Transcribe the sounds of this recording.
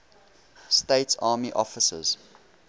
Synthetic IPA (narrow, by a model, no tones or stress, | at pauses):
steɪtsɑːmiʔɔfəsə̰z̥